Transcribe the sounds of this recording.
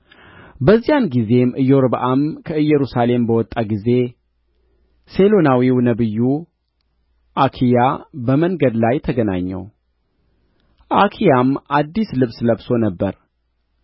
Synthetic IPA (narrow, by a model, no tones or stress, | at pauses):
bəzːijanɡize̞mʔɨjːoɾbʔamkʰəɨjːɛɾusale̞mbəwɔt̪ʼːaɡize̞ | se̞lo̞nawiwnəβɨjːu | ʔakʰijabəməŋɡəd̪lajt̪ʰəɡəna̰ɲːɛ̰w | ʔakʰijamʔad̪ːislɨβsləbso̞nəbːəɾ